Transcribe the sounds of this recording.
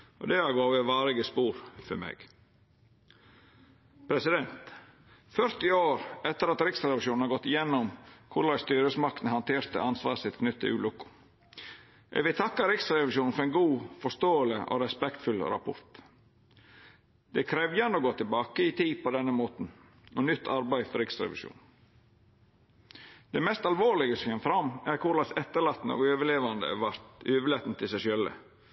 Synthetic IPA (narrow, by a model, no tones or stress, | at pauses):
ʔɔ̰d̪ɛæɡoːʋɛʋɑːɾɪɡəspuːɾfœɾmḛːɡ̥ | pʰɾɛsɪd̪ɛnt̪ | fœɾt̪ɪoːɾɛt̪ːəɾɑt̪ɾɪksɾɛʋɪʂuːn̩hɑɾɡɔt̪ːɪjɛnːʊmkʰʊɭɑɪst̪yːɾəsmɑk̚t̪n̩hɑnt̪ʰeːɾt̪ə̰ɑnsʋɑ̰ːɾsɪt̪kʰnʉt̪ʰːə̰ʉ̰ːlʊkʊ̥ | ʔɛ̰ɡʋɪlt̪ʰɑkːɑɾɪksɾɛʋɪʃuːnn̩fɔɾɛɪnɡuːfɔʂt̪oːələʔo̰ɾɛspɛkt̪fʉlɾɑ̰pʰʊ̰ɾt̪ | d̪̥ɛkʰɾɛʋjɑnoɡoːt̪ʰɪlbɑːkəɪt̪ʰiːpɔd̪ɛnːəmoːt̪n̩ | ɔnʏt̪ʰːɑɾbæɪfɔɾɪksɾɛ̰ʋɪ̰ʃṵːn | d̪̥ɛmɛst̪ɑlʋoːlɪɡəsɔɛmfɾɑmːæɾkʰʊɾlɑsɛt̪ːəɭɑːt̪nəo̰ɡøːʋəɭeːʋɑnd̪ə̰ʋɑɾt̪øːʋəlet̪nət̪ʰɪlsæɪʃœlə̰